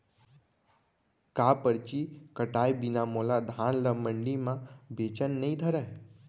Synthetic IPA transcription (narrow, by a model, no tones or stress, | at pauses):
kapəɾt͡ɕiːkəʈajbinamolad̪ʱaɳləməɳɖimabet͡ɕənːəid̪ʱəɾaj